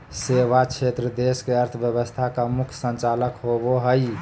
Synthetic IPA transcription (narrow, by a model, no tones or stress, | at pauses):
seʋat͡ʃʰet̪ɾəd̪eskeəɾt̪ʰəbjəbəst̪ʰakamukʰsənt͡ʃaləkɦoboɦəj